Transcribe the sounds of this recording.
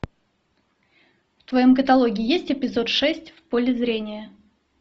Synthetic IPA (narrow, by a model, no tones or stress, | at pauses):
ft̪vɐjo̞mk̬ət̪ɐlˠo̞ɡʲɪːjesʲtʲɪpʲɪzo̞t̪ʂɛsʲtʲfpolʲɪzɾʲenʲɪjə